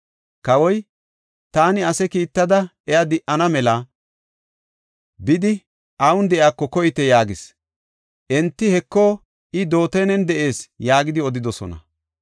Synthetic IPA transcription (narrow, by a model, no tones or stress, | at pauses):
kɐwɔj | t̪aːnɪɐsɛkiːt̪ːɐd̪ɐ | ɛjad̪ɪʔɐnɐmɛlɐ | bɪd̪ɪ | ʔɐwʊnd̪ɛʔjaːkːɔkɔjɪt̪ɛjaːɡɪs | ʔɛnt̪ːɪhɛkːɔ | ɪd̪o̞ːt̪ɛjnɛnd̪ɛʔe̞ːsjaːɡɪd̪ɪɔd̪ɪd̪ɔsɔ̰nɐ̰